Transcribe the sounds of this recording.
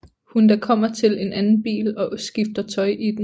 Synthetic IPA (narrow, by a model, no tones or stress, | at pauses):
hund̥ækʰɒ̽m̰ɐt͡sʰe̝le̝nʔænn̩b̥ḭːlɒ̽sɡ̥ifd̥ɐt͡sʰɒ̽ɪʔid̥